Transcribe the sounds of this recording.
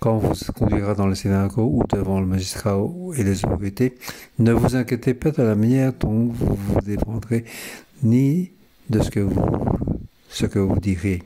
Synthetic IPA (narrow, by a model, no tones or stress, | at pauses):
kɑ̃vuzkɔ̃d̪ɥiʁad̪ɑ̃lesenakoṵd̪əvɑ̃ləmaʒist̪χaelezot̪ɔʁit̪enəvuzɛ̃kʲjet̪epad̪əlamanjɛʁd̪ɔ̃vṵvud̪efɑ̃d̪ʁeni | d̪əsə̥kəvṵ | səkəvṵd̪iʁje